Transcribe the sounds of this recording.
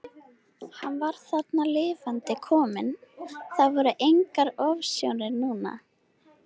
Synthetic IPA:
hanːvaɾ̥θat̪nalɪːvant̪ɪkʰɔːmɪnθavɔɾʏʔejŋkaɾɔvsjownɪɾnuːna̰

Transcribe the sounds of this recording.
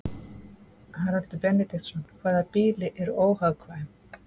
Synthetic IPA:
haɾal̥t̪ʏpɛnːɛt̪ixt̪sɔnkʰvaːðapiːlɪʔɛɾoːwhawkʰvajɪm

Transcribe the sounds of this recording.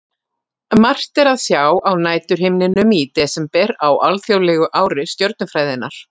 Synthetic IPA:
mar̥t̪ɛɾaðsjaːwawnaːjt̪ʏɾ̥hɪmnɪnʏmit̪ɛsɛmpɛɾawʔalθjowlɛːɣʏʔaːwɾɪst̪jœɾt̪̚nʏfɾaːjðɪnːaɾ̥

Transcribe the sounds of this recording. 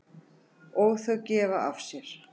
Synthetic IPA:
ɔɣθœwcɛːvaʔafsjɛɾ̥

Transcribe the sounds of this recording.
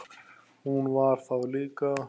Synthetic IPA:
uːnwaːɾfawlika

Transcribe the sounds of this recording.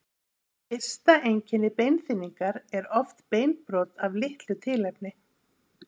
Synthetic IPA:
ɪr̥st̪aʔejɲcɪnɪpejnθɪnːiŋkaɾɛɾɔft̪peːjnpɾɔːt̪avlɪht̪lʏt̪ʰɪlɛp̚nɪ

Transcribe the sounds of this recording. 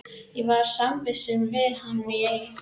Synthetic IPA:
jɛvaɾ̥sampɪsɪnvɪðhanːmjɛx

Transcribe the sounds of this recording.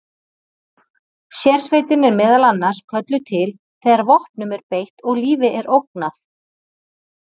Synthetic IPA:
sjɛɾ̥svejt̪ɪnɛɾmɛːðalanːaɾ̥skʰœt̪lʏt̪ʰɪl | θɛɣaɾvɔhpnʏmɛɾpejht̪ɔɣliːvɪʔɛɾʔowk̚naθ

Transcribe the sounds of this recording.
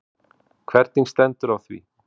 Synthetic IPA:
kʰvɛɾt̪niŋst̪ɛnt̪ʏɾawθvḭ

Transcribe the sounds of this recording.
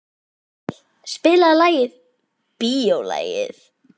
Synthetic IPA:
spɪːlaðlaːjɪð | piowla̰ːjɪ̰θ

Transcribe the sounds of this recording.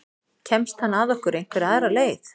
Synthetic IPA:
cʰɛmst̪hanːaðɔhkʏɾejn̥kvɛɾaðɾaleːjθ

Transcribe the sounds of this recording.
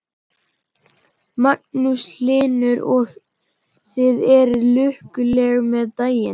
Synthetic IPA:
mak̚nuslɪːnʏɾɔɣ | sɪðɛɾlʏhkʏlɛɣmɛðt̪aːjɪn

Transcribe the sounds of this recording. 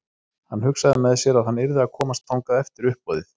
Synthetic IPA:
hanːɦʏksaðɪmɛðsjɛɾaðhanːɪɾðɪakʰɔːmast̪ʰːawŋkaðɛft̪ɪɾʏhpɔðɪθ

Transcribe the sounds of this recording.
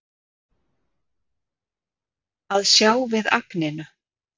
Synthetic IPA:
aðsjaːwvɪða̰knɪnʏ

